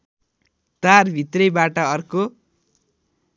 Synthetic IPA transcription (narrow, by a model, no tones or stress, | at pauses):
t̪arbʱit̪rʌjbaʈʌʌrko